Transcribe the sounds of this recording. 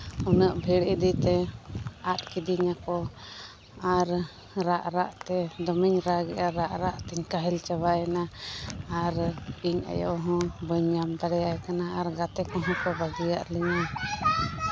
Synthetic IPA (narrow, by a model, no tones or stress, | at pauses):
unəʔbʱɛɽid̪it̪ɛ | at̪̚kid̪iɲakɔ | aɾ | ɾaʔɾaʔt̪ɛd̪ɔmiɲɾaɡɛ̰ʔaɾaʔɾaʔt̪ɛɲkaɦɛlt͡ʃabajɛna | aɾiɲa̰jɔ̰ʔɦɔ̃bəɲːamb̪aɾɛjajkanaaɾɡat̪ɛkɔɦɔ̃kɔbaɡija̰ʔlɛɲa